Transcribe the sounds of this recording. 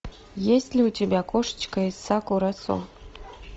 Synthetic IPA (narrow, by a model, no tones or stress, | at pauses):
jesʲtʲlʲiutʲebʲakoʂə̥t͡ɕkəisakuɾaso̰